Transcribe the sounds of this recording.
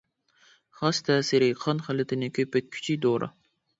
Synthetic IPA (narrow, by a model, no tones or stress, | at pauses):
χɑst̪ʰɛːsɪɾɪqʰɑnχælɪt̪ʰɪnɪkʲʰøpɛt̪̚kʲʰy̥t͡ʃʰid̪oɾʔɑ̰